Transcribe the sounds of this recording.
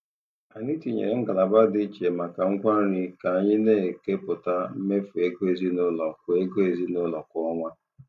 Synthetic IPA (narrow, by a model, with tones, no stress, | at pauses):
a˨ni˦ti˨ɲḛ˨ɾe˨ŋ̩˦ɡa˨la˨ba˦dɪ˦t͡ʃe˨ma˨ka˨ŋ̩˦kʷa˦ɾi˦ka˨a˨ɲɪ˦ne˦e˨ke˦pʊ˨ta˦me˦fu˨e˦ɡo˦e˨zi˦nʊ˦lɔ˨kʷʊ˨e˦ɡo˦e˨zi˦nʊ˦lɔ˨kʷɔ˦ŋʷa˦